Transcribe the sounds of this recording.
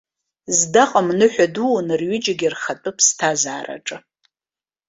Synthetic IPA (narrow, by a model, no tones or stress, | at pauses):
zdaqʼamnɨħʷᶣaduwnɨrɥɪd͡ʒaɡʲirχatʼɨpʰstʰazaːra̰ʈ͡ʂʼɨ